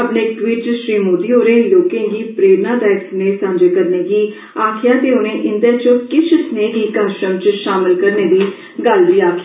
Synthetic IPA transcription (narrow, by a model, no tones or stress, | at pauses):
əpneːkʋɪt͡ʃʃɾiːmoːd̪iːɦoːɾẽːloːkẽːɡiːpɾeːɾnãːd̪aːɪksneːsãːnd͡ʒekəɾneːɡiː | aːkʰɪjaːt̪eːʊñẽːʔɪnd̪ɛːt͡ʃokɪt͡ʃʰəsneːɡiːkəɾʃɾəmt͡ʃʃaːmɪlkəɾneːd̪iː | ɡəlʋiːaːkʰː